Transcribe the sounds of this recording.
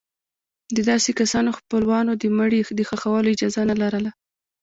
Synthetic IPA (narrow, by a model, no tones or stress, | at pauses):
d̪əd̪ɑsekasɑnoxpəlwɑnod̪əməɽid̪əxaxawəloɪd͡ʒɑzanalaɾəla